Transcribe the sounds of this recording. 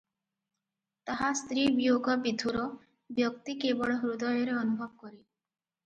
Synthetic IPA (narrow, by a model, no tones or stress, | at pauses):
t̪aɦast̪ɾibijoɡɔbid̪ʱuɾɔ | bjɔkt̪ikebɔɭɔɦɾud̪ɔjɔɾeɔnubʱɔbɔkɔɾi